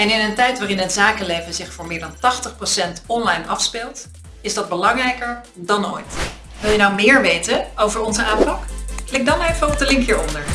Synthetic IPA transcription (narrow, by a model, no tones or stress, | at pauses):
ɛnɪnəntɛjtʋaːrɪnənzaːkəlejvəzɪχfʊːɹmɪːɹdɑntɑχtəχprowsɛntɔnlɑjnɑfspɪlˠt | ɪzdɑd̚bəlɑŋrɛjkəɹ | dɑno̰ːjt | ʋɪlˠjənawmɪːɹʋejtəowvəɹɔnzəʔaːmpɑkklɪk̚dɑnejvəɔb̚dəlɪŋkɦiːɹɔndəɹ